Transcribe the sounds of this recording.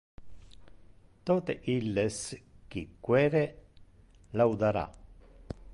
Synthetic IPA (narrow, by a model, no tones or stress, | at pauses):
t̪oːt̪eʔilːesk̟ikːwɛːɾe | lawd̪aɾa̰